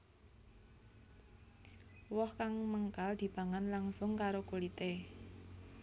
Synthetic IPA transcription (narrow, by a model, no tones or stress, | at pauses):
wɔhkaŋməŋkald̪̥i̤b̥a̤ŋanlaŋsʊŋkaɾokulit̪e